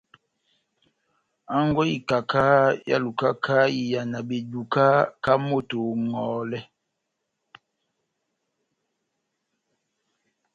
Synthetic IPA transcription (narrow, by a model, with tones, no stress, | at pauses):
a˦ŋ˦ɡwɛ˦i˨ka˨ka˦ja̰˦lu˨ka˦kʰa˦i˨ja˨na˨be˨du˨ka˦ka˦mo˦˨to˨ŋɔː˨˦lɛ˦